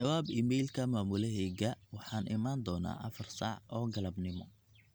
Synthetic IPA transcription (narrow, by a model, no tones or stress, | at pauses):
t͡ʃɐwaːbɪmɛjlkʰɐmaːmʊlɛɦɛɣɐwɑħɑːnʔɪmaːnd̪ɔːna̰ːʔɐfɐrsɑ̰ʕʔɔːɡɐlɐbnɪmɔ̰